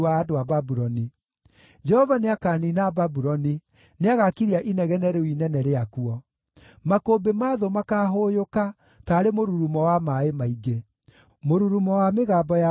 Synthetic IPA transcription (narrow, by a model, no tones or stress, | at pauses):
aːdoababuɾɔni | d͡ʒɛhɔvaneakaninababuɾɔni | neaɣakiɾiaʔinɛɣɛnɛɾeinɛnɛɾeakuɔ | makoːbemaðomakaːɦojoka | taːɾemoɾuɾumɔwamaemaiɡe | moɾuɾumɔwameɣaːbɔja